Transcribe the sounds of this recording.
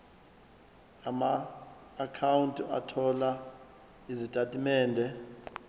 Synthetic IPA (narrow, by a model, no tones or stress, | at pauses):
amaː | kʰawuntʼia̰tʰɔla | izitʼatʼimɛːndʱɛ